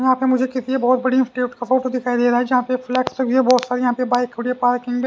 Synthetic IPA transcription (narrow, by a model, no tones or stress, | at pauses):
jɐɦãːpemʊd͡ʒʱekɪsiebɔːt̪bɐɽiɪ̃nsʈiːʈkafoːʈod̪ɪkʰaːid̪eːɾaɦɛd͡ʒɐɦãpeflɛːksoɡiebɔːt̪saːɾejɐɦãpebaːɪkʊɽiepaːɾkɪ̃ŋɡbe